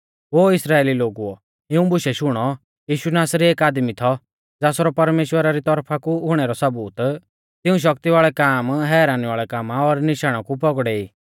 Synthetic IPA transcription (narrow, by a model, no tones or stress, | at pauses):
oːɪsɾaːeːliloːɡuɔ | ɪũbʊʃɛʃʊɽ̃ɔ | jiːʃunaːsɾieːkaːd̪mit̪ʰɔ | d͡zaːsɔɾɔpɐɾmeːʃwəɾaɾit̪ɔɾpʰakuʊɽ̃ɛɾɔsɐbuːt̪ | t̪ɪũʃ̬ɐkt̪iʋaːɭɛkaːmɦɛːɾaːnɛʋaːɭɛkaːmaɔːɾnɪʃaːɽ̃akupɔɡɽɛiː